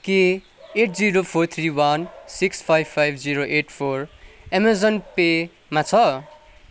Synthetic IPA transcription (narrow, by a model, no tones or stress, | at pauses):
ki | eʈʰd͡ziɾopʰoɾt̪ʰriwʌnsikspʰajbpʰːajbʱd͡ziɾoʔeʈpʰoremazʌnpe | mat͡sʰʌ